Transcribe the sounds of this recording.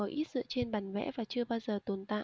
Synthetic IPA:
ɔ˨˦ʔi˦˥t̚z̥ɨ̰˧˨t͡ɕe˧nɓaː˨˩ŋvɛ̰˧˥vaː˨˩t͡ɕɨ˧əɓaː˧wzəː˨˩t̪o˨˩nt̪a̰ː˧˨

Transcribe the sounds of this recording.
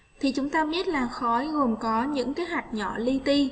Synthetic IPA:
t̪ʰi˨˩t͡ɕʊ˨˦ŋ͡mt̪aː˧ɓi˦˥ət̚laː˨˩xɔ˨˦jɣo˨˩mkɔ˨˦ɲɨ̰˧˥ŋkaː˨˦ɦwa˨˩jk̟̚ɲɔ̰˧˩li˧t̪i˧

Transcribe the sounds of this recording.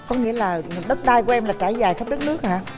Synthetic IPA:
kɔ˨˦ŋḭ˧˥əlaː˨˩ɗə˦˥t̚ɗaː˧jku˨˩˦ʔɛ˧mlaː˨˩t͡ɕaː˧˩jzaː˨˩jxə˦˥p̚ɗə˦˥t̚nɨ˦˥ək̚haː˧

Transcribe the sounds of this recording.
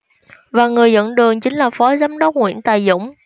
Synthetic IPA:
vaː˨˩ŋɨ˨˩əjzə̰˧˥nɗɨ˨˩əŋt͡ɕï˨˦ŋ̟laː˨˩fɔ˨˦zaː˨˦mɗə˦˥wk͡p̚ŋwḭ˧˥ənt̪aː˨˩jzʊ̰˧˥wŋ͡m

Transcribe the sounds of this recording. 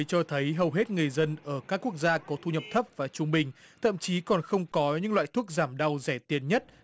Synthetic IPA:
jt͡ɕɔ˧t̪ʰə˨˦jɦə˨˩wɦe˦˥t̚ŋɨ˨˩əjzə˧nʔəː˧˩kaː˦˥kːu˦˥ək̚zaː˧kɔ˨˦t̪ʰu˧ɲə˨˩p̚t̪ʰə˦˥p̚vaː˨˩t͡ɕʊ˧ŋ͡mɓï˨˩ŋ̟t̪ʰə̰˧˨mt͡ɕi˨˦kɔ˨˩nxə˧wŋ͡mkɔ˨˦ɲɨ̰˧˥ŋlwa̰ː˧˨jt̪ʰu˦˥ək̚zaː˧˩mɗa˧wzɛ˧˩t̪i˨˩ənɲə˦˥t̚

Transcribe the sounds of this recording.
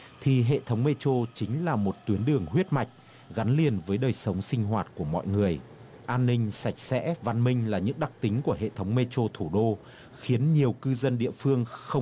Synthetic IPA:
t̪ʰi˨˩ɦḛ˧˨t̪ʰə˨˦wŋ͡mme˧t͡ɕo˧t͡ɕï˨˦ŋ̟laː˨˩mo˨˩t̚t̪wi˨˦ənɗɨ˨˩əŋɦwi˦˥ət̚ma˨˩jk̟̚ | ɣa˨˦nli˨˩ənvəː˨˦jɗəː˨˩jsə˨˦wŋ͡msï˧ŋ̟ɦwaː˨˩t̚ku˧˩əmɔ̰˧˨jŋɨ˨˩əj | ʔaː˧nːï˧ŋ̟sa˧˩jk̟̚sɛ̰˧˥va˧nmï˧ŋ̟laː˨˩ɲɨ̰˧˥ŋɗa˨˩k̚t̪ï˨˦ŋ̟ku˧˩əɦḛ˧˨t̪ʰə˨˦wŋ͡mme˧t͡ɕo˧t̪ʰu˧˩ɗo˧ | xi˨˦ənɲi˨˩əwkɨ˧zə˧nɗḭ˧˨əfɨ˧əŋxə˧wŋ͡m

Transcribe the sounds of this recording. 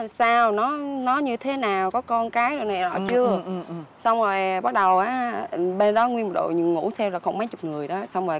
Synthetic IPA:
saː˧wnɔ˨˦nɔ˨˦ɲɨ˧t̪ʰe˨˦naː˨˩wkɔ˨˦kɔ˧nkaː˨˦jo˨˩na˨˩jzɔ̰˧˨t͡ɕɨ˧əsɔ˧wŋ͡mzo˨˩jɓa˦˥t̚ɗə˨˩wʔaː˨˦ɓe˧nɗɔ˨˦ŋwi˧nm̚˨˩ɗo̰˧˨ɲɨ̰˧˨ŋṵ˧˥sʰɛ˧wzɔː˨˩xə˧wŋ͡mma˨˦jt͡ɕʊ˨˩k͡p̚ŋɨ˨˩əjɗɔ˨˦swŋ͡mzo˨˩j

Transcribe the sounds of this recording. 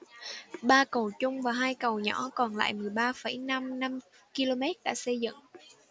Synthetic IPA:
ɓaː˧kə˨˩wt͡ɕʊ˧ŋ͡mvaː˨˩ɦaː˧jkə˨˩wɲɔ̰˧˥˦kɔ˨˩nla̰ː˧˨jmɨ˨˩əjɓaː˧fə˧˩jna˧mna˧m | ki˧lo˧mɛ˦˥t̚ɗa̰ː˧˥sə˧jzɨ̰˧˨ŋ

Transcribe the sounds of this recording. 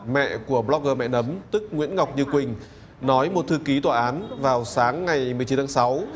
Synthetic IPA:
mɛ̰˧˨ku˧˩əblɔ˦˥k̚ɣəː˧˩mɛ̰˧˨nə˨˦mt̪ɨ˦˥k̚ŋwḭ˧˥ənŋa˨˩wk͡p̚ɲɨ˧kwï˨˩ŋ̟ | nɔ˨˦jmo˨˩t̚t̪ʰɨ˧ki˨˦t̪waː˨˩ʔaː˨˦nvaː˨˩wsaː˨˦ŋːa˨˩jmɨ˨˩ət͡ɕi˨˦nt̪a˧˦sa˨˦w

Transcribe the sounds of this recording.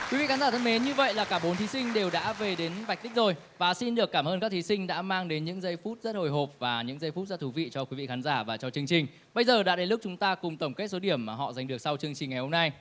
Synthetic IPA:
kwi˨˦vḭ˧˨xa˨˦zaː˧˩t̪ʰə˧nme˨˦nɲɨ˧və̰˧˨jlaː˨˩kaː˧˩ɓo˨˦nt̪ʰi˨˦sï˧ŋ̟ɗe˨˩wɗa̰ː˧˥ve˨˩ɗe˨˦nva˨˩k̟̚t̪i̟˦˥zo˧˩j | vaː˨˩si˧nɗɨ˨˩əkːaː˧˩mʔəː˧nkaː˦˥kt̪ʰi˨˦sï˧ŋ̟ɗa̰ː˧˥maː˧ŋɗe˨˦nɲɨ̰˧˥ŋzə˧jfu˦˥t̚zə˦˥t̚ho˨˩jɦo˨˩p̚vaː˨˩ɲɨ̰˧˥ŋzə˧jfu˦˥t̚zə˦˥t̪ʰvḭ˧˨t͡ɕɔ˧kwi˨˦vḭ˧˨xaː˨˦nzaː˧˩vaː˨˩t͡ɕɔ˧t͡ɕɨ˧əŋt͡ɕï˨˩ŋ̟ | ɓə˧jzəː˨˩ɗa̰ː˧˥ɗe˨˧˦lʊ˦˥k̚t͡ɕʊ˨˦ŋ͡mt̪aː˧kʊ˨˩ŋ͡mt̪ə˧˩wŋ͡mke˦˥t̚so˨˦ɗi˧˩əmːaː˨˩ɦɔ̰˧˨za˨˩jŋ̟ɗɨ˨˩ək̚sa˧wt͡ɕɨ˧əŋt͡ɕï˨˩ŋ̟ːa˨˩jho˧mna˧j

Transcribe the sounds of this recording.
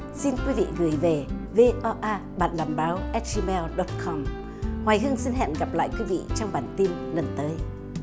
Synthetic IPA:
si˧nkwi˨˦vḭ˧˨ɣɨ˨˩əjve˨˩ve˧ʔɔ˧ʔaː˧ɓaː˧˨˩nlaː˨˧˩mɓaː˨˦wʔɛ˦˥t̚zi˧mɛ˧lɗɔ˨˦t̚kʰɔ˧m | hwaː˨˩jhɨ˧əŋsi˧nɦɛ̰˧˨nɣa˨˩p̚la̰ː˧˨jkwi˨˦vḭ˧˨t͡ɕɔ˧wŋ͡mɓaː˨˩nt̪i˧nlə˨˩nt̪əː˨˦j

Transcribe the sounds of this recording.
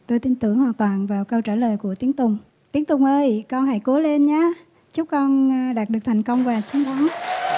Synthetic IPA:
t̪o˧jt̪i˧nt̪ɨ˧˩əŋhwaː˨˩nt̪waː˨˩nvaː˨˩wkə˧wt͡ɕaː˧˩ləː˨˩jku˧˩ət̪i˨˦əŋt̪ʊ˨˩ŋ͡m | t̪i˨˦əŋt̪ʊ˨˩ŋ͡mʔəː˧jkɔ˧nha̰˧˩jko˨˦le˧nɲaː˨˧˥ | t͡ɕʊ˦˥k͡p̚kɔ˧nɗaː˨˩t̚ɗɨ˨˩ək̚t̪ʰjŋ̟kə˧wŋ͡mkaː˨˩t͡ɕi˨˦ŋɗɔ˨˦ŋ

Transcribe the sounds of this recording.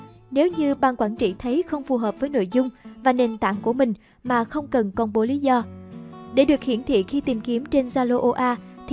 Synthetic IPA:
ne˨˦wɲɨ˧ɓaː˨˩nkwaː˧˩nt͡ɕḭ˧˨t̪ʰə˨˦jxə˧wŋ͡mfu˨˩ɦəː˨˩p̚vəː˨˦jno̰˧˨jzʊ˧ŋ͡mvaː˨˩ne˨˩nt̪a̰ː˧˨ŋku˧˩əmï˨˩ŋ̟ | maː˨˩xə˧wŋ͡mkə˨˩nkɔ˨˧nɓo˨˦li˨˦zɔ˧ɗe˧˩˦ɗɨ˨˩ək̚hḭ˧˩ənt̪ʰḭ˧˨xi˧t̪i˨˩mki˨˦əmt͡ɕe˧nzaː˧lo˧ʔo˧ʔaː˧t̪ʰ

